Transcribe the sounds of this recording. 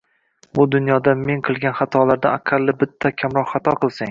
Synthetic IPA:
bʊd̪ʊnjɒd̪ame̞ŋqʰɨlˠɡʲanχɑt̪ʰɒlaɾd̪aaqʰɑlːɪbɪt̪ʰːakʲʰamɾɒqχɑt̪ʰɒqʰɨlˠsaŋ

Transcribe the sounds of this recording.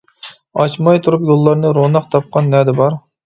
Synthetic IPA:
ɑt͡ʃmɑjt̪ʰuɾupjolˠːɑɾnɨɾonɑqt̪ʰɑp̚qʰɑnːɛd̪ɪbɑɾ

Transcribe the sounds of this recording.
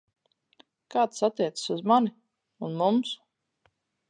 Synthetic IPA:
kaːt̪sat̪ːiɛt̪sə̥suzmani | unmums

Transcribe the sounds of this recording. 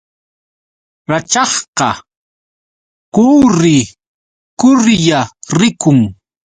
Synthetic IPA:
ɾat͡ʃɑχqɑ | kʊːɾɪ | kʊɾjaɾɪkʊŋ

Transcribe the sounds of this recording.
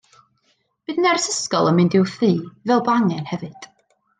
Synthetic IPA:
b̥ɨdnɛrsəskɔlˠəmɨndɪwθiːvɛlˠbaŋɛnhɛvɨd̥

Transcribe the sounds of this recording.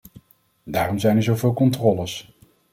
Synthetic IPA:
daːrɔmzɛjnɛɹzowvɪːlˠkɔntrɔːləs

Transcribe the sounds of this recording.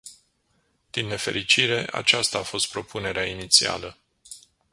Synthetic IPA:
d̪̥inːe̞fe̞̰ɾit͡ʃiɾe̞ʔa̰t͡ʃast̪aːfo̞st̪̚pɾo̞pʰune̞ɾeainit̪sia̰lə

